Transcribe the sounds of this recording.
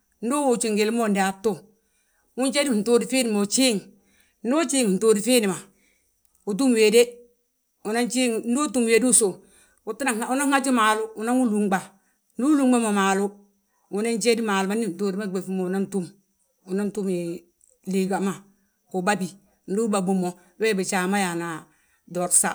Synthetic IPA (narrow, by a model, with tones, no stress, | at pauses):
n̩˦do˦wo˨t͡ʃi˨ŋɡe˨lmo˦˨ndi˨a˨tːo˦ | wu˦nt͡ʃe˦di˦˨n̩˨to˦di˨fi˦ni˨mo˨t͡ʃi˦ŋ | n̩˦do˦t͡ʃiː˦ŋu˨n̩˨toː˦di˨fiː˦ni˨ma˨ | u˨t̬u˦m˨we˨de˦ | u˨na˦nt͡ʃi˦ŋn̩˦do˦tu˦mwe˨di˦u˦so˨ | u˨tu˦na˨ŋa˨u˦na˦ŋ˦a˦t͡ʃi˦ma˨lu˦u˨na˦ŋu˦lu˨ŋɡ͡ba˨ | nu˦lu˦ŋɡ͡ba˦mo˨maː˨lu˦ | u˨na˦nt͡ʃe˦di˦ma˨lu˨ma˦ni˦˨n̩˨toː˦di˦ma˦˨ɡ͡be˨fu˦mo˨u˨na˦n˦tu˦m | u˨na˦n˦tu˦mi˨ | li˨ɡa˨ma˨ | ku˨ba˦bi˨ | n̩˨˦du˦ba˨bu˨mo˨ | we˦˨bi˨t͡ʃa˨ma˦ja˨na˨ | do˨tsa̰˦˨